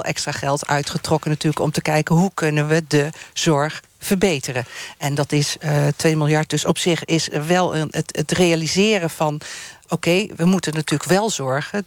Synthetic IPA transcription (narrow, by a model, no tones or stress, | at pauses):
ʔɛ̰kstraχɛlˠtʰœ̰ɥtχətrɔkənatyːləkɔmtəkɛjkənɦukʰɵnənʋədəz̥ɔɹχ | fəɹbejtərəʔɛndɑtɪstʋeːmɪlˠjɑɹt̚d̥øsɔpsɪχɪsʋɛlˠəətətrejalizɪːrəvɑnowkejʋəmutənːatyːləkʋɛlˠzɔɹɣə